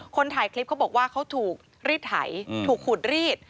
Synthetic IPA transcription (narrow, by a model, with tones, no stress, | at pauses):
kʰo˧nt̪ʰaː˨˩˦jkʰli˦˥p̚kʰa˦˥wbɔː˨˩k̚waː˥˩kʰa˦˥wt̪ʰuː˨˩k̚ | ɾiː˥˩t̪̚ha̰˩˦jt̪ʰuː˨˩kʰːu˨˩t̪̚ɾiː˥˩t̪̚